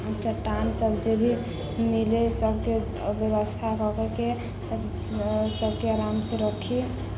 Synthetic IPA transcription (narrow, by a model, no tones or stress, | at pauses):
t͡ʃəʈːansəbd͡ʒebʱi | milesəbʱke | bjəbəst̪ʰakɔkeke | səb̚ʱkeaɾamseɾəkʰi